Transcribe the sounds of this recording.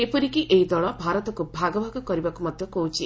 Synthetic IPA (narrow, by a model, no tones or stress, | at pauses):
epɔɾikiʔeɦid̪ɔɭɔbʱaɾɔt̪ɔkubʱaɡɔbʱaɡɔkɔɾibakumɔd̪ʱjɔkoɦut͡ʃʰi